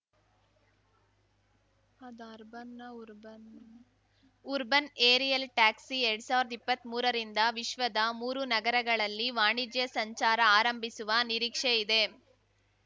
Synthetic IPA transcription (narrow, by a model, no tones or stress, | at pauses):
ɐd̪ɐɾbɐnɐɾbn | ʊɾbɐneːɾijɐlʈaːksiɛɾɽɯsaːʋɪɾɐðɐipːɐt̪ːmuːɾɐɾind̪ɐʋɪʃʋɐd̪ɐmuːɾɯnɐɡɐɾɐɣɐɭɐlːiʋaːɳid͡ʒjɐsɐɲt͡ʃaːɾɐaːɾɐmbisɯʋɐnɪɾiːkʂɐɪd̪eː